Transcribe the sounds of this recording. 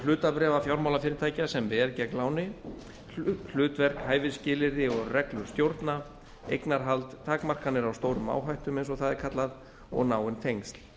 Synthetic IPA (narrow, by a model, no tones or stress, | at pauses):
lʏːt̪apɾɛːvafjawɾmawlafɪːɾɪɾt̪ʰaːjcasɛmvɛɾcɛklaːwnɪ | l̥ʏːt̪vɛr̥khaːjvɪðscɪːlɪɾðɪɔɣrɛklʏɾ̥st̪jowɾt̪na | ḛjknaɾ̥ɦalt̪t̪ʰaːkmar̥kanɪɾawst̪oːwɾʏma̰ːwɦajht̪ʏmẽjnsɔɣθaðɛɾ̥kʰat̪lað | ɔ̰ɣnaːwɪnt̪ʰejŋst̪l̥